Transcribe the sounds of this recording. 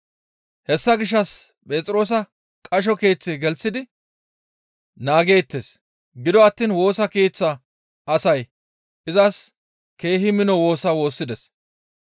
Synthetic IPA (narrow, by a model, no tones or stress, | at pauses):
hɛsːɐɡɪʃ̬ːɐs | pʼe̞ːt͡sʼɾo̞ːs̬ɐ | kʼɐʃ̬ɔke̞ːt͡sːɪɡɛlt͡sːɪd̪ɪ | naːɡe̞ːt̪ːes | ɡɪd̪ɔɐt̪ːiːnwo̞ːsɐkeːt͡sːɐ | ɐsɐj | ɪzɐs | ke̞ːɦɪmɪnɔwo̞ːsɐwo̞ːsːɪd̪ɛs